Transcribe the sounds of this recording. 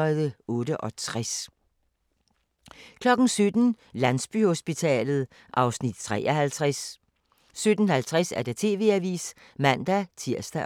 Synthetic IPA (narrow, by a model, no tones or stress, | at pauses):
ðˠəɔ̽ːɾəʔɒ̽t͡sʰʁas | kʰlɒ̽ɡ̥n̩sød̥n̩ | lænsb̥y̰ho̝sb̥it͡sʰɛ̰ːlð̞̩ˠ | ʔɑ̈ʊsnid̥̚t͡sʰʁɛ̰ːʔɐhælt͡sʰʁasː | ød̥n̩hælt͡sʰʁɛsæɐd̥et͡sʰe̝̰ːʋe̝̰ːæʋḭːs | mæn̰d̥æt͡sʰiɐ̰sd̥æ